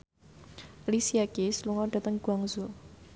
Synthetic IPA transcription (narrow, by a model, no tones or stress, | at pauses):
lisiakesluŋɔɖ̥a̤t̪əŋɡ̥uaŋzu